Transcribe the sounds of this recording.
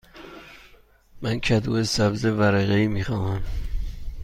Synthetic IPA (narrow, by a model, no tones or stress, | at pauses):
mænkʰæd̪uːesæbzevæɾeɣeiːmiːxɒːmæm